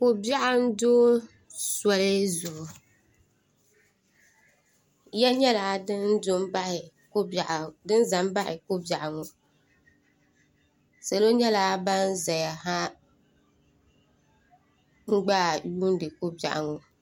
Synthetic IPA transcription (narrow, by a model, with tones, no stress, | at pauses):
ko˦bi˦a˦ʔa˦n̩˦doː˦ | swa˨lɪ˦zʊ˨hʊ˨ | ja˦ɲɛ˦la˨˦dn˦dʊ˦mba˦hɪ˨˦˨ | ʔdɨ˦n˦za˨mba˦hɪ˨ko˦ba˨ʔa˨ŋɔ˨ | sa˨lo˦ɲɛ˦la˨˦ba˦n˦za˨ja˨ɦa˦ | ŋ͡m̩˦ɡ͡baː˦˨juː˦n˦dɨ˨ko˦ba̰˨ʔa̰˨ŋɔ˨